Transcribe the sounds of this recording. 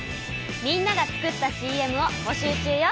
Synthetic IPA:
mʲĩnːaɡat͡sɨ̥kɯ̟t̪ːaɕiːe̞mɯ̟o̞bo̞ɕɨːt͡ɕɨːjo

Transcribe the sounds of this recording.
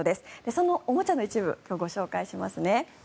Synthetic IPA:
od̪e̞sɨ̥d̪̥e̞so̞no̞ʔomo̞t͡ɕano̞it͡ɕibɯ̟̰kʲo̞ːɡo̞ɕo̞ːkaiɕimasɨne̞

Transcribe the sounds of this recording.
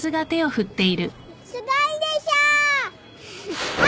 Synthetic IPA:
sɨɡat̪e̞o̞ɸɯ̟t̪ːe̞iɾɯ̟ | sɨɡ̪aid̪eɕa

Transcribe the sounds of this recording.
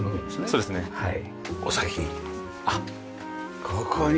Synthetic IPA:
nesoːd̪esɨnehai | osaĩ | a | kʰokʰoɲ

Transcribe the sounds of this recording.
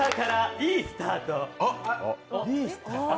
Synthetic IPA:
akaɾaiːsɨ̥t̪aːt̪o | ist̪a

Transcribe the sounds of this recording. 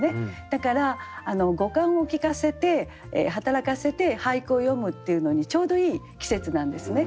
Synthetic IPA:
ne̞d̪̥akaɾaːno̞ɡo̞kãɰ̃o̞kʲikase̞t̪e̞̰ | ɦat̪aɾakase̞t̪e̞haikɯo̞jo̞mɯ̟t̪ːe̞iɯ̟no̞ɲ̟it͡ɕo̞ːd̪o̞iː | kʲi̥se̞t͡sɨnãnd̪e̞sɨne̞

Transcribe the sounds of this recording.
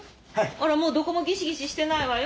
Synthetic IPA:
haiaɾamoːd̪o̞ko̞mo̞ɡʲiɕiɡʲiɕiɕi̥t̪e̞naiβajo

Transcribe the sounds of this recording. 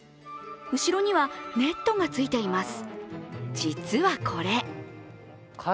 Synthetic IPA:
ɯ̟ɕiɾo̞ɲ̟iβane̞t̪ːo̞ɡat͡sɨit̪e̞imasɨ̥d͡ʑit͡sɨβakʰo̞ɾe̞

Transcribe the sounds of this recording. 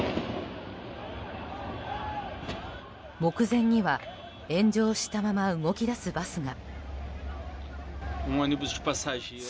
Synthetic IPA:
mo̞kɯ̟zẽ̞ɲ̟ːiβa | ẽ̞ɲ̟d͡ʑo̞ːɕi̥t̪amamaɯ̟ŋo̞kʲid̪asɨbasɨɡa | ũanibuzd͡ʒi̥pasaʒĩ

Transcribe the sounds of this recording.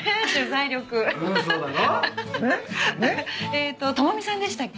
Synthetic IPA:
d͡ʑozaiɾʲo̞kɯ̟soːd̪anoeneet̪ːo̞t̪omomʲisãnd̪e̞ɕi̥t̪akʲː

